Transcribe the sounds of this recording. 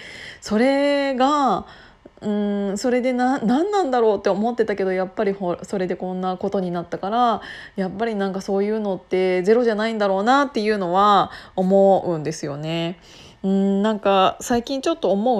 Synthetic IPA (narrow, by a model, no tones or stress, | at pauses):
so̞ɾe̞ɡa | ɯ̟̃ɴso̞ɾe̞d̪e̞nanãnːãnd̪aɾo̞ːt̪ːe̞omo̞t̪ːe̞t̪ake̞d̪o̞japːaɾʲihoso̞ɾe̞d̪e̞kõ̞nːako̞t̪o̞ɲ̟inat̪ːakaɾajapːaɾʲinãŋkaso̞ːjɯ̟ːno̞t̪ːe̞ze̞ɾo̞ʑanaĩnd̪aɾo̞ːnat̪ːe̞jɯ̟ːno̞βaomo̞ɯ̟̃nd̪e̞sɨjo̞ne̞ | ɯ̟̃ɴnãŋkasaikʲĩɲ̟t͡ɕo̞t̪ːo̞ːmo̞ɯ̟